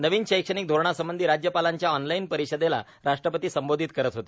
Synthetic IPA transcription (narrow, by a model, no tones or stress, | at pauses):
nəʋiːnɕəjkʂəɳ̃iːk̚d̪ʱoɾɳ̃asəmbənd̪ʱiːɾad͡ʑjəpalaɲt͡ɕjaɔnlainpəɾiɕəd̪ela̰ | ɾaʂʈɾəpət̪iːsəmbod̪ʱit̪̚kəɾət̪ɦot̪e